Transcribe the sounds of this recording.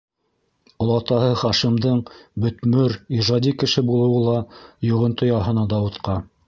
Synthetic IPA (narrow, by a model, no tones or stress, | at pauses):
ŏlˠɑt̪ɑɦɤχɑʃimd̪ɤɴbɵ̆t̪mɵɾiʒɑd̪ikɘ̆ʃɘbulˠɤ̆wɤlˠɑjŏʁɤ̆nt̪ŏjɑɦɤ̆nɑd̪ɑut̪qɑ